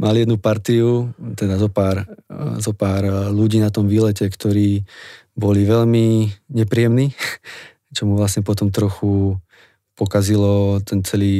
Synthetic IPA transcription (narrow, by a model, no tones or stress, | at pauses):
mʔalijɛd̪nupaɾt̪iut̪ɛd̪azɔpaːɾzɔpaːɾluɟiːnat̪ɔmʋiːlɛcɛkt̪ɔɾiː | bɔliʋɛʎmiɲɛpɾiɛmniː | t͡ʃɔmuʋlasɲɛpɔt̪ɔmt̪ɾɔxu | pɔkazilɔt̪ʰɛnt͡sɛliː